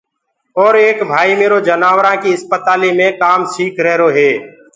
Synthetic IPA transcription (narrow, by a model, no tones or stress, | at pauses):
ɔːɾeːkbʱaːimeːɾod͡ʒənaːwɾãkiəspət̪aːlimẽkaːmsiːkʰɾɛɦɾoɦeː